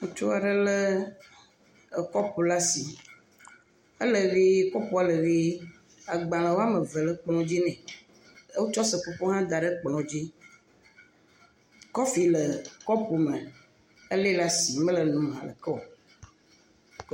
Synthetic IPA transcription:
ŋũ˦t͡ʃo˦a˨ɖə˦lə˦˨ | kɔ˦pu˨la˦si˨ | ə˦lə˨vi˦kɔ˦pu˨˦a˦˨lə˨vi˦ | a˨ɡ͡bã˨lã˨wo˦a˦mə˨və˨lə˦k͡plɔ̃˦d͡ʑi˦nɛ̃˨˦ | wo˦t͡ʃɔ˦sə˨ko˨po˦ɦã˦d̪a˨ɖə˦k͡plɔ̃˨d͡ʑi˦ | kɔ˦fi˨lə˨kɔ˦pu˨mə̃˨ | ə˦le˦la˦si˨mə̃˦lə˨nũ˨m˨a˨lə̰˨kɔ˦˨

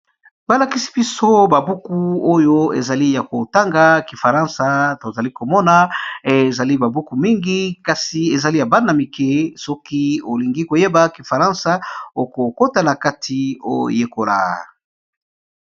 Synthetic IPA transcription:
ba˨˦la˨ki˦si̥˦bi˦so˦ba˨bu˦ku˦o˦jo˦ḛ˨za˨li˦ja˨ko˨ta˦ŋɡa˨ki˨fa˨ʁã˦nsa˨to˨za˨li˦ko˨mɔ˦na˨˦e˨za˨li˦ba˨bu˦ku˨mi˦ŋɡi˦ka˨si˨e˨za˨li˦ja˨ba˦na˨mi˨kɛ˦sɔ˦ki˦o˨li˨ŋɡi˦ko˨je˦ba˨ki˨fa˨ʁã˦nsa˦o˨ko˨ko˦ta˨na˨ka˦tʰi˨o˦jo̰˨je˦ko˨la̰˨

